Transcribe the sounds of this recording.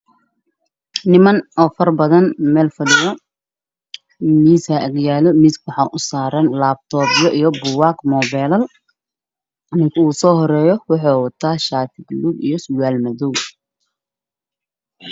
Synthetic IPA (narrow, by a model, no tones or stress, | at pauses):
nɪmɐnɔːfɐrbɐðɐnmɛːlfɐlɪjɐ | miːsaʔɐɡjaːlɔmiskʰwɑħɑʔʊsaːɾɐnlaːb̚t̪ʰɔːbjɔʔijɔbʊwaːkmɔːβɛːlɐl | ʔɐnɪŋkʰɐuːsɔːɦɔɾɛːjɔwʊħɔːwɑt̪ʰaːʃaːt̪ʰɪɡluɡḭjɞsʊwaːlmɐðuw